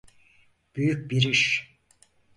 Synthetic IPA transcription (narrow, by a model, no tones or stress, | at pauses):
b̥yjyc̚biɾiʃ